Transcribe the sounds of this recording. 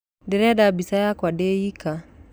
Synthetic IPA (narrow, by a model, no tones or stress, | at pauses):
dɛɾɛɗabisajakwaɗɛika